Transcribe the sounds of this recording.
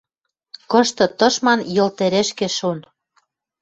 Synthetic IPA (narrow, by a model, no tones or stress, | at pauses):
kɤ̆ʃt̪ɤ̆t̪ɤ̆ʃmɑnjɤ̆lt̪eɾeʃkĕʃon